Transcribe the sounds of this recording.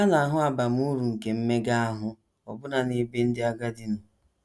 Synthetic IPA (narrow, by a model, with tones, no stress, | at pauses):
a˦na˨a˨ɦʊ˦a˨ba˨m̩˦u˦ɾu˨ŋ̩˨ke˨m̩˦me˦ɡa˦a˦ɦʊ˦ | ɔ˨bʊ˦na˨ni˦be˦n̩˦dɪ˦a˦ɡa˦dɪ˦n̩˨